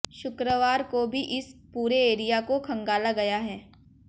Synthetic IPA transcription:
ʃʊkɾəʋaːɾkobʱiʔɪspuːɾeeːɾijakokʰɐ̃ŋɡaːlaɡɐjaɦɛː

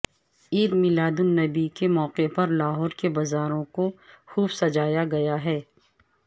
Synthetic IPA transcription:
iːd̪mɪlaːd̪ʊnːɐbikemɔːqepɐɾlaːɦɔːɾkebɐzaːɾõkoxuːbsɐd͡ʒaːjaɡɐjaɦɛː

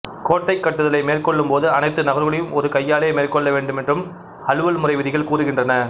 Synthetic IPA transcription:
koːʈːɐɪkːɐʈːɯðɐlɐɪmeːrkɔɭːɯmpoːðɯɐnɐɪt̪ːɯnɐɣɐɾʋɐɭɪjɯmɔɾɯkɐjːaːleːmeːrkɔɭːɐʋeːɳɖɯmɛndrɯm | hɐlɯʋɐlmʊrɐɪʋɪðɪɣɐɭkuːrɯɣɪndrɐnɐ

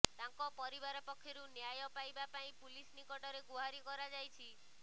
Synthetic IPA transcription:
t̪ãŋkɔpɔɾibaɾɔpɔkʰːjɔɾunjajɔpajbapaĩpulisnikɔʈɔɾeɡuɦaɾikɔɾad͡ʒajt͡ʃʰi

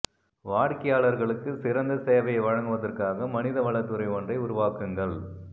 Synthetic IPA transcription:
ʋaːɽkɐjaːɭɐɾɣɐɭɯkːɯsɪɾɐnd̪ɐseːʋɐjɐɪʋɐɻɐŋɡɯʋɐðɐrkaːɣɐmɐnɪðɐʋɐɭɐt̪ːɯɾɐɪɔndrɐɪʊɾʊʋaːkɯŋɡɐɭ

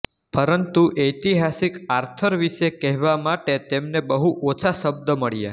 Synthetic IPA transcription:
pəɾənt̪uʔet̪iɦasikaɾt̪ʰəɾʋiʃekɛɦʋamaʈet̪emnebəɦuʔot͡ʃʰaʃəb̚d̪əməɭja̰

